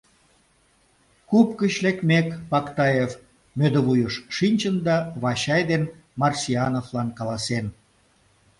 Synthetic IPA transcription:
kupkət͡ɕlekmekpɑkt̪ɑjef | mød̪əβujəʃʃinʲt͡ɕənd̪ɑβɑɕɑjd̪en | mɑrsiɑnoflɑnkɑlɑsen

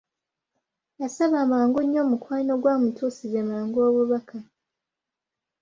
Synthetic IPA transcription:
jasaβaːmaːŋɡuɲːo̞ːmukwaːino̞ɡwaːmutuːsizemaːŋɡo̞ːβuβaka

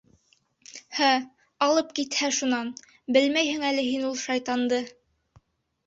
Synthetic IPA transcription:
hæ | ɑlˠɤpkit̪hæʃunɑn | bɘlmæjhɘ̆ŋælɘɦinulˠʃɑjt̪ɑnd̪ɤ

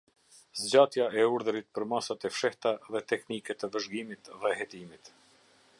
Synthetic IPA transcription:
zd͡ʑat̪jaʔɛuɾðəɾit̪̚pəɾmasat̪ɛfʃɛht̪aðɛt̪ɛknikɛt̪əvəʒɡimit̪ðɛhɛt̪imit̪

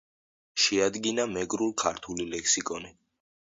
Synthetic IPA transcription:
ʃɛad̪ɡinamɛɡɾulˠkʰaɾt̪ʰulilɛkʰsikʼɔni

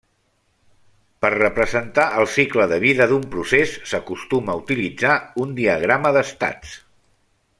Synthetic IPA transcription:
pərrəpɾəzənt̪aʔəlˠsikləðəβ̞iðəðumpɾusesːəkust̪uməut̪ilid͡zaund̪iəɣ̞ɾaməðəst̪a̰t͡s

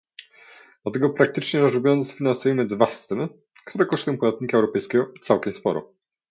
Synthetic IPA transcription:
d̪at̪ɛɡɔpɾak̚t̪ɘt͡ʂɲɛɾɔzɾubʲjɔnzfʲinansujɛmɘd̪vasɨ̥st̪ɛmɘ | kt̪uɾɛkɔʂt̪ujɔ̃m̃pɔd̪at̪̚ɲikaɛwɾɔpɛjskʲɛɡɔt̪sawkʲɛmspɔ̰ɾɔ̰

